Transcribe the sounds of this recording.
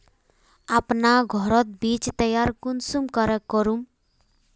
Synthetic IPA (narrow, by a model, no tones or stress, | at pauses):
apnaɡʱɔɾɔt̪̚bit͡ʃt̪əjaɾkunsumkɔɾɛkɔɾum